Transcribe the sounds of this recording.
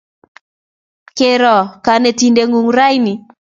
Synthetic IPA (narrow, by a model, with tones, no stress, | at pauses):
ke˨ɾɔ˨ka˨nɛ˨ti˨nde˨ŋu˨ŋɾa˦jni˨